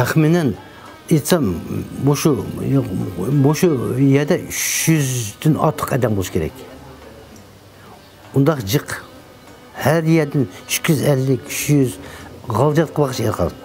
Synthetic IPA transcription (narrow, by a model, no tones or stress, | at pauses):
t̪ʰæχminɛn | et̪sɑmmoʃu | moʃujɛd̪ɛʔyʃjyzd̪ɪnɑ̰t̪ʰːə̥qɛd̪ɛmbolˠʃkʰʲeɾɛ̰kʲ | ʊnd̪ɑqd͡ʒəq | hæɾjɛd̪ɪnʃkʲʰyzælːɪkʲy̥ʃjyzʁɑlˠd͡ʒɑt̪̚qʰəbɑqʃeɾqʰɑ̰lˠ